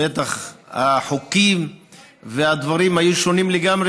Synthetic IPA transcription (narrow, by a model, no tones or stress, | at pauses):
et̪aχaħokim | vead̪vaɾimhajuʃo̞nimleɡamʁe